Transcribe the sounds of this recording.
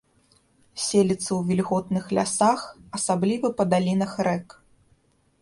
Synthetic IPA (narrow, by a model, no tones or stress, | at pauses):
sʲelʲit̪sːɐwvʲilʲɣɔt̪nɨxlʲa̰saxɐsablʲivɐpɐd̪alʲinɐxrɛk